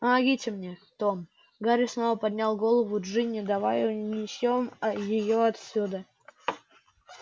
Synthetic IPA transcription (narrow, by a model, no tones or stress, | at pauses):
əmɐɡʲitʲɪmnʲet̪o̞m | ɡaɾʲɪsno̞vəpɐd̪ʲnʲalˠɡo̞lˠəvʊʐɨnʲɪd̪ɐvajnʲɪɪsʲjomjɪjoɐt̪sʲud̪ə